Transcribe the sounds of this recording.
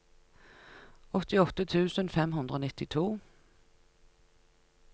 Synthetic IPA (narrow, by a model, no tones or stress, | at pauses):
ɔt̪ɪɔt̪ət̪ʰʉːsənfɛmɦʉnd̪ɾəoːnɪt̪ɪt̪ʰuː